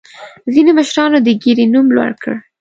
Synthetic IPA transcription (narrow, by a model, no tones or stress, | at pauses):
zineməʃɾɑnod̪əɡeɾinumlwa̰ɽkʰə̰ɽ